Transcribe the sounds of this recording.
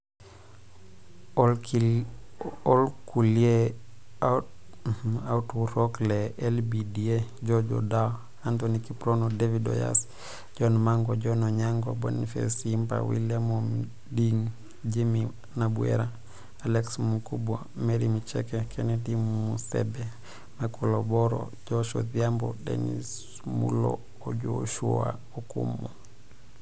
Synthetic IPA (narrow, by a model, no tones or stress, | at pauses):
ɔlkulie | autuɾokleelbidied͡ʒod͡ʒɔ̰da | antonikipɾonodevido̰ja̰s | d͡ʒɔnmaŋɡod͡ʒɔnɔɲaŋɡobo̰nifḛsimpa̰wḭlamom | diŋ | d͡ʒimi | nabuɛ̰ɾa | alɛksmukubo | meɾimit͡ʃɛ̰kɛkʰɛnɛdimːusɛ̰bɛ | makɔlɔbɔɾɔ̰ | d͡ʒɔʃɔðiambɔdɛnḭs | mṵlɔ̰ː | d͡ʒoʃua̰ | okumːɔ